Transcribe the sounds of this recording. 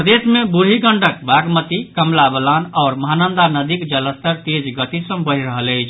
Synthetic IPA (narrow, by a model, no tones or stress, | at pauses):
pɾəd̪esmebuɽ̤iɡəɳɖəkbaɡmət̪ikəmlabəlanɔʊɾməɦanənd̪anəd̪ikd͡ʒələst̪əɾt̪ed͡ʒɡət̪isəmbəɦiɾəɦələjt͡ʃʰ